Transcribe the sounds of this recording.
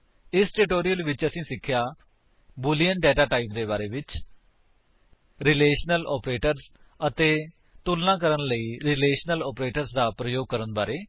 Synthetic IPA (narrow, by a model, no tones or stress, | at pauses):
ɪsʈɪʈoːɾijəlʋɪt͡ʃəsĩːsɪkʰːjaː | bʊlijəɳʈɖɛːʈaːʈaːip̚d̪eːbaːɾeːʋɪt͡ʃ | ɾɪleːʃnəlɔ̰ːpɾeːʈəɾz | ət̪eː | t̪ulnãːkəɾənləiːɾɪleːʃnəlɔːpɾeːʈəɾsd̪aːpɾəjoːɡ̚kəɾənbaːɾeː